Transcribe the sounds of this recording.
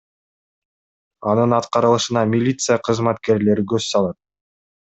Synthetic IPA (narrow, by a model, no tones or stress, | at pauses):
ɑnɯnɑt̪qɑɾɯlˠɯʃɯnɑmʲilʲit̪sɨjaqʰɯzmɑt̪ke̞ɾle̞ɾiɡøzsɑlˠɑt̪̚